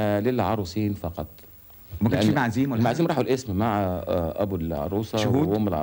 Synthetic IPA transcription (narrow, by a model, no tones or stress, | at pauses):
lelʕɑɾˤusˤiːnfɑqɑt̪ˤ | wmækæʔænːiimaʕaziːmwelmaʕaziːmɾˤɑħwelʔesmmaʕaʔæ̰bulʕɑ̰ɾˤuːsˤɑʃwhuːdʔomːelʕɑ̰